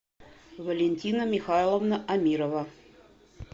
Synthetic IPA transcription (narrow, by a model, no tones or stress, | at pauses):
vɐlʲenʲt̪ʲinəmʲixajlˠovnəʔamʲiɾovɐ